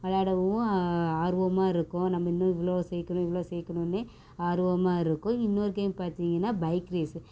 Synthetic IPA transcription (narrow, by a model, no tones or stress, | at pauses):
ɐɭaːɽɐʋɯʊ̃aːɾɯʋɐmaːɪɾɯkːʊ̃nɐmːɐɪnːʊ̃ɪʋɐɭoːsɛjkːɐɳʊ̃ɪʋɐɭoːsɛːkːɐɳʊ̃nːɯ | aːɾɯʋɐmaːɪɾɯkːʊ̃ɪnːoːɾɯkɐnpaːɾt̪iːŋɡɐnːaːbɐɪkɾeːs